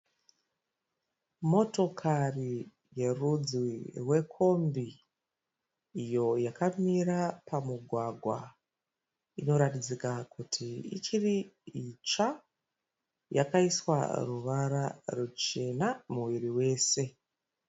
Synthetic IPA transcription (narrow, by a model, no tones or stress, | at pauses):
mo̞to̞kʰari | je̞rud͡zwirwe̞kʰo̞mbi | jo̞jakamiɾapamuɡʱwaɡʱwa̰ | ino̞ɾatid͡zikakutʰiḭt͡ʃiriit͡ʃa | jakaiswa̰ruʋaɾarut͡ʃe̞namuʋiriwe̞ːse̞